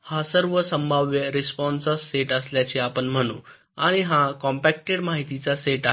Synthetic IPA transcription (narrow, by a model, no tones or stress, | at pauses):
hasəɾʋəsəmbʱaʋjəɾespɔnsəsːeʈəsljat͡ɕeapəɳm̤əɽ̃ṵ̃ː | aɽ̃iɦãkɔ̃mpæk̚ʈeɽmaɦit̪it͡saseʈa